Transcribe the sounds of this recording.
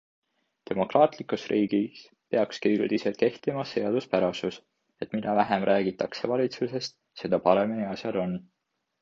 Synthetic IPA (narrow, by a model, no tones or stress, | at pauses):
t̪e̞mo̞krɑːt̪ˑlikˑusrʔiːɡ̥is | pe̞ɑkskiyɡld̪̥iselt̪ke̞ht̪imɑse̞ɑd̪̥uspæɾɑsus | e̞t̪ˑmid̪̥ɑvæɦe̞mrʔæːɡ̥it̪ːˑɑkse̞vɑlʲit̪suse̞st̪ | se̞d̪̥ɑpɑɾe̞miniɑsjɑd̪o̞n